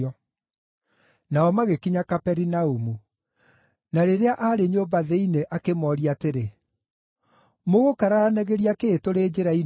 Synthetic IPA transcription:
ɔ | naɔmaɣekiɲakapɛɾinaumu | naɾeɾeaʔaɾeɲobaðeineʔakemɔɾiateɾe | moɣokaɾaanɛɣeɾiakeːtoɾeːd͡ʑeɾai

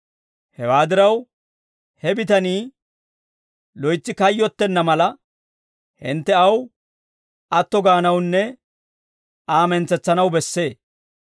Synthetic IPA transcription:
hɛwaːd̪ɪɾɐw | hɛbɪt̪ɐniː | lɔjt͡sːɪkɐjːɔt̪ːɛnːɐmɐlɐ | hɪ̰nt̪ːɛɐw | ɐt̪ːɔɡaːnɐwnːɛ | aːmɛnt͡sːɛt͡sːɐnɐwbɛsːe̞ː

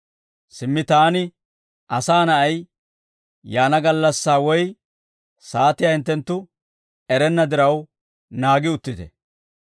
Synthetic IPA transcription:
sɪmːɪt̪aːnɪ | ʔɐsaːnɐʔɐj | jaːnɐɡɐlːɐsːaːwɔj | saːt̪ɪjaɪnt̪ːɛnt̪ːʊ | ɛɾɛnːɐd̪ɪɾɐw | naːɡɪʊt̪ːɪt̪ɛ̰

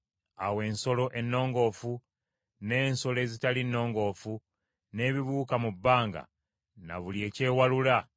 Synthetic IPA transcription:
awe̞ːnso̞lo̞ʔe̞nːo̞ːŋɡo̞ːfu | ne̞ːnso̞le̞ːzitalinːo̞ːŋɡo̞ːfu | ne̞ːβiβuːkamubːaːŋɡa̰ | na̰βulje̞ːce̞ːwalula

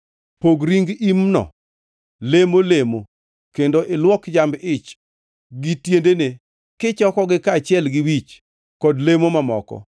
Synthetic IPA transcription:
poɡɾiŋɡimnɔ̰ | lemolemo | kendoʔɪlwɔkd͡ʒambɪt͡ʃ | ɡitjendene | kɪt͡ʃɔkɔɡɪkat͡ʃɪɛlɡɪwit͡ʃ | kɔdlemomamɔkɔ̰

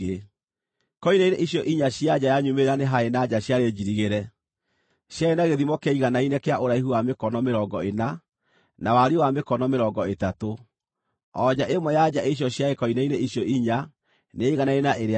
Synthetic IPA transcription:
e | kɔinaineʔiɕjɔʔiɲaɕjad͡ʑajaɲumeɾaneɦaenad͡ʑaɕjaɾed͡ʑiɾiɣeɾɛ | ɕjaenaɣeðimɔkeiɣanainekeaʔoɾaiɦuwamekɔnɔmeɾɔɡɔena | nawaɾiwamekɔnɔmeɾɔɡɔetato | ɔd͡ʑaʔemwɔjad͡ʑaeɕ̬jɔɕjaekɔinaineiɕjɔiɲa | neiɣanaenaʔeɾe

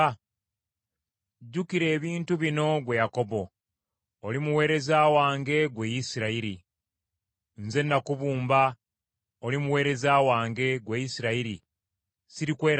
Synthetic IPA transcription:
ɟːukiɾe̞ːβiːntuβino̞ɡwe̞jako̞bo̞ː | limuwe̞ːɾe̞zaːwaːŋɡe̞ɡwe̞jisiɾaiɾi | nze̞nːakuβuːmba | olimuwe̞ːɾe̞zaːwaːŋɡe̞ɡwejisiɾaiɾi | siɾikwe̞ːɾ

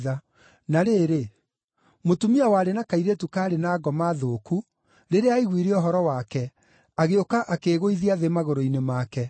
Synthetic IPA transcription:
ða | naɾeːɾe | motumiawaːɾenakaiɾetukaːɾenaːɡɔmaðoːku | ɾeɾeaiɣwiɾeɔɦɔɾɔwakɛ | aɣeokaʔakeɣoiðiaðemaɣoɾoinemakɛ

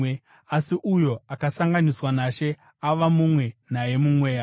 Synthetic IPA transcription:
asiʔujo̞akasaŋɡaniswanaʃe̞ | aʋamumwe̞naje̞mumweːa

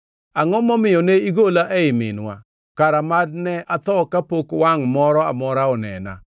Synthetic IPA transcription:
aŋɔmɔmɪjɔneiɡolaʔeɪmɪ̰nwa̰ | kaɾamad̚nɛʔat̪ɔkapokwaŋmɔɾɔa̰mɔɾaɔnɛ̰na̰

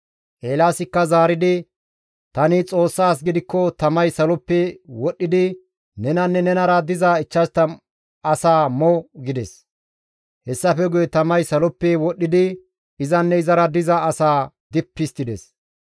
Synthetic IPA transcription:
ʔeːlaːsɪkːɐzaːɾɪd̪ɪ | t̪ɐnɪt͡sʼo̞ːsːaːs̬ɡɪd̪ɪkːɔt̪ɐmɐjsɐlɔpːɛwɔɗːɪd̪ɪ | nɛnɐnːɛnɛnɐɾɐd̪ɪzaɪt͡ʃːɐst̪ːɐ | ɐsaːmɔɡɪd̪ɛs | hɛsːɐfɛɡʊjɛt̪ɐmɐjsɐlɔpːɛwɔɗːɪd̪ɪ | ɪzɐnːɛɪzɐɾɐd̪ɪzɐɐsaː | d̪ɪpːɪst̪ːɪd̪ɛs

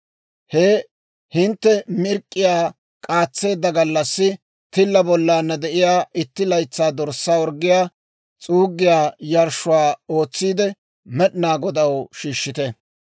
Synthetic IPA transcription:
heː | hɪnt̪ːɛmɪɾkʼːɪjaː | kʼaːt͡sːe̞ːd̪ːɐɡɐlːɐsːɪ | t̪ɪlːɐbɔlːaːnːɐd̪ɛʔɪjaːʔɪt̪ːɪlɐjt͡sːaːd̪ɔɾsːaːwɔɾɡːɪjaː | t͡sʼuːɡːɪjaːjɐɾʃʊwaːo̞ːt͡sːiːd̪ɛ | mɛɗɪnaːɡɔd̪ɐwʃiːʃːɪt̪ɛ

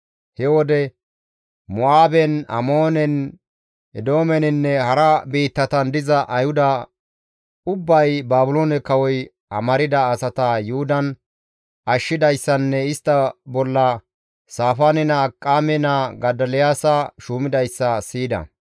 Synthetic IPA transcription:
hɛwɔd̪ɛ | mʊaːbɛnɐ̰moːnɛn | ɛd̪o̞ːmɛnɪnːɛhɐɾɐbiːt̪ːɐt̪ɐnd̪ɪzɐʔɐjhʊd̪ɐ | ʊbːɐjbaːbʊloːnɛkɐwɔj | ɐ̰mɐɾɪd̪ɐːsɐt̪ɐjʊhʊd̪ɐn | ɐʃːɪd̪ɐjsːɐnːɛɪst̪ːɐbɔlːɐ | saːfaːnɪnɐkʼːaːmɛnɐɡɐd̪ɐljaːsɐʃuːmɪd̪ɐjsːɐsiːd̪ɐ̰

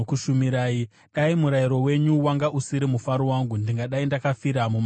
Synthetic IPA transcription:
kuʃumiɾaːi | ɗaimuɾaiɾo̞we̞ɲuwaŋɡaʔusiɾimufaɾowaŋɡundiŋɡaɗaindakafiɾamum

